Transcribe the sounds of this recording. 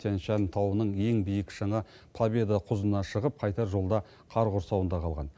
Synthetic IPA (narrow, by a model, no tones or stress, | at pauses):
t̪ʰenʃɑnt̪ʰɑwənəɴje̞ŋbijəkʲʒ̥ɑɴɑ | pʰlˠabʲe̞d̪aqʰʊzənɑʃəʁəp̚qʰɑjt̪ɑɾʒo̞lˠd̪ɑ | qʰɑɾʁʊɾsɑwənd̪ɑqʰɑlˠʁɑ̰n